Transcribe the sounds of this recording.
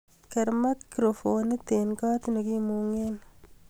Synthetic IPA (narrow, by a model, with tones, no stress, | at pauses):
kɛ˨ɾma˦kkɾofoni˦t̪enkaː˦t̪ni˨ki˦muŋen